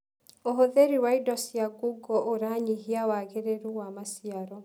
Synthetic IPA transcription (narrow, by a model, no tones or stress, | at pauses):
oɦoðeɾiwaidɔsjaɡuɡɔʔoɾaɲiɦiawaɣeɾeɾuwamasiaɾɔ